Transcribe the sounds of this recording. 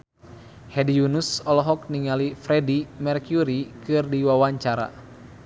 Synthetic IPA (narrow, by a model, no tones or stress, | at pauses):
hɛdijunusɔlɔɦɔk̚niŋalifɾɛdimɛrkjuɾikɨrdiwawaɲt͡ʃaɾa̰